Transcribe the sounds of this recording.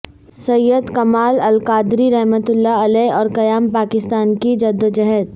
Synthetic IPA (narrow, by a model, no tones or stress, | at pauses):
sɐjːəd̪kɐmaːlɐlkaːd̪ɾiɾɛɦmət̪ʊlːaɐlɛːɔːɾkɐjaːmpaːkɪst̪aːnkid͡ʒɐd̪əd͡ʒɐɦɛt̪̚